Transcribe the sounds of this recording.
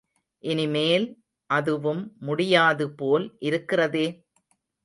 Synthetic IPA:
ʔɪnɪmeːl | ʔɐðɯʋɯmːʊɽɪjaːðɯpoːlʔɪɾɯkːɪrɐðeː

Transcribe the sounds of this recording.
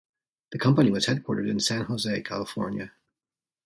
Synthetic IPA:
ðɨkʰʌ̃mpɨniwʌz̥hɛd̚kʰw̥ɔ̰ɹɾəɾɨ̃nsæ̃nhoʊzeɪkʰælˠəfɔ̰ɹnjɨ

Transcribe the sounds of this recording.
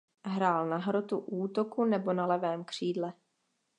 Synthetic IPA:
ɦɾaːlnaɦɾo̞t̪uʔuːt̪o̞kunɛbo̞nalɛvɛːmkr̝̥iːdlɛ

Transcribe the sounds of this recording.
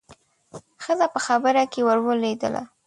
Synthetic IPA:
xəzapəxabəɾakewəɾwəled̪ə̰lʔa̰

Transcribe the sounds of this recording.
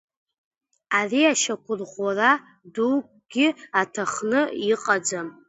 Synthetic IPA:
ariaʃakʷʰʊrʁʷara | dukʼ | ɡ̥ʲɪatʰaχnɨiqʼad͡zam

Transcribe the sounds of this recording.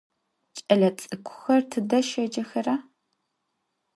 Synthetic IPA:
t͡ʃʼɐɮɐt͡sʼɨkʷʰʊ̥xɐrtʰɨdɐʃɐd͡ʒɐxɐraː

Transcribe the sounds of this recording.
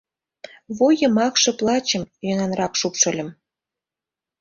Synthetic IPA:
βojə̆mɑkʃɤ̆plˠɑt͡ɕə̆mjønɑnrɑkʃupʃə̆lʲə̆m

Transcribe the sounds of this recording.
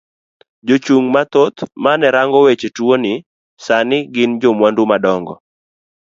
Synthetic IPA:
d͡ʒot͡ʃuŋmat̪ot̪manɛɾaŋɡɔwet͡ʃetwonɪ | sanɪɡɪnd͡ʒomwandumadɔŋɡɔ̰

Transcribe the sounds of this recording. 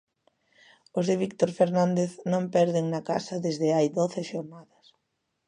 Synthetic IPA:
ozðeβik̚t̪oɾfeɾnãnd̪eθnõmpɛɾðɪŋnɐka̰sɐðezðɪajðoθɪʃoɾnaðɐs

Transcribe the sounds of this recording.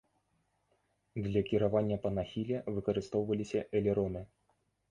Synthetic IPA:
d̪lʲɐkʲiɾavanʲːɐpɐnaxʲilʲɛvɨkɐɾɨst̪ɔwvɐlʲisʲɐʔɛlʲɛɾɔnɨ

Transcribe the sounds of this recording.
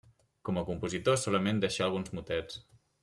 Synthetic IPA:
kɔməkumpuzit̪osɔləmend̪ɛʃaːlˠɣ̞unzmut̪ɛt͡s

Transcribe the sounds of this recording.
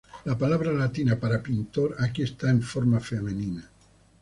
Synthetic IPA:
lapalaβɾalat̪inapaɾapint̪oɾakiest̪aeɱfoɾmafemenina

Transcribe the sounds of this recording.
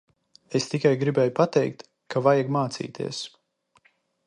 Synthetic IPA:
est̪ikajɡɾibɛjupat̪ɛjkt̪ | kavajaɡmaːt̪sḭːt̪ʰḭəs

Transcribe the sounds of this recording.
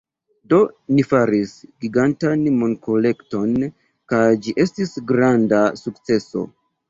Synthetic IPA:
do̞nifaɾisɡiɡantanmonko̞le̞kto̞n | kajd͡ʒiʔe̞stisɡɾandasuk̚t͡se̞so̞̰

